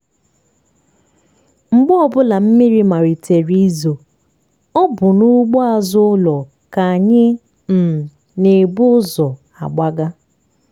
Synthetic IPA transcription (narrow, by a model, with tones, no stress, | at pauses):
ŋ͡m̩˨ɡ͡bɔ˦ɔ˦˨bʊ˦la˨m̩˦mi˦ɾi˦ma˨ɾi˨te˨ɾi˦zo˨ | ɔ˦bʊ˨nu˦ɡ͡bɔ˦a˨zʊ˦lɔ˨ | ka˨a˨ɲɪ˦ | m̩˨ | ne˨bʊ˦zɔ˨ | a̰˨ɡ͡ba˦ɡa˦